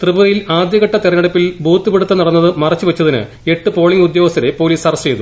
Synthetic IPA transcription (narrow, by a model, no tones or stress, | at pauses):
t̪rɨbɐðɐjilaːd̪jɐɣɐʈːɐt̪irɐnɐɽɐpːilbʱuːt̪ːɨpeɽut̪ːɐnɐɽɐnːɐðɨmɐrɐt͡ɕːuʋɐt͡ɕːɐðinɨ̰ | e̞ʈːɨpo̞ːɭiŋɡud̪jo̞ːʋɐst̪ʰːɐɾe̞po̞ːliːsɐrɐst͡ɕe̞jt̪u